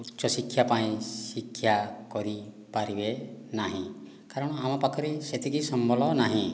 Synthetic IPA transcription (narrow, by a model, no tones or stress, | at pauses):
utt͡ʃɔsikʰːjapaĩsikʰːjakɔɾi | paɾibenaɦĩ | kaɾɔɽ̃ɔamapakʰɔɾiset̪iɡisɔmbʱɔlɔnaɦĩ